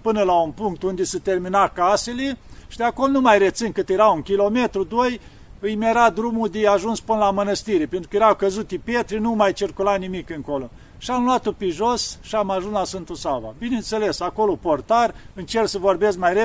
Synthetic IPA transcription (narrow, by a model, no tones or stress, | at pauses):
pɨnəlaunpuŋk̚t̪und̪esət̪erminakaseleʃid̪eakolnumajret̪sɨnkɨt̪jeɾauŋkʲilo̞met̪ɾud̪oj | ɨjmʲeɾad̪ɾumud̪eaʒunspɨnəlamənəst̪iɾepent̪ɾu̥kəjeɾakəzut̪ːipet̪ɾinumajt͡ʃirkulanimikɨŋko̞lo̞ | ʃiamluat̪opiʒosʃiamaʒunslasvɨnt̪usava̰binent̪selesakoloport̪arɨnt͡ʃerksəvorbeskmajre